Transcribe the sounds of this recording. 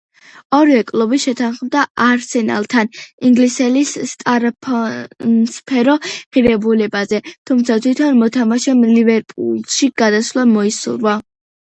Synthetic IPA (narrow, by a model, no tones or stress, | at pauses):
ɔɾvɛkʼlˠɔbiʃɛt̪ʰanχmd̪aaɾsɛna̰lˠt̪ʰaniŋɡlisɛlist̪ʼaɾapʰɔnspʰɛɾɔʁiɾɛbulɛbazɛt̪ʰumt̪sʰat̪ʰwit̪ʰɔnmɔt̪ʰamaʃɛmlivɛɾpʼṵlˠʃiɡ̥ad̪asvlˠamɔisṵɾva